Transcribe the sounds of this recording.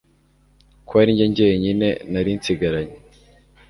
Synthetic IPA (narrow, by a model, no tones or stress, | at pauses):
kwaːɾiɲɟeɲɟeɲine̞naɾint͡siɡaɾaɲe